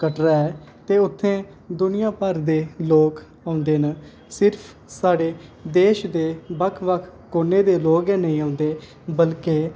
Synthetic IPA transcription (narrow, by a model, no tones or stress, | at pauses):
kəʈɾaːɛː | t̪eːʊt̪ʰːẽː | d̪ʊnɪjãːpəɾd̪eːloːk | ãːʊ̃nd̪eːnə | sɪɾpʰ | saːɽeːd̪eːʃd̪eːbəkʰʋəkʰkoːneːd̪eːloːkɛːnəĩːãːnd̪eː | bəlkeː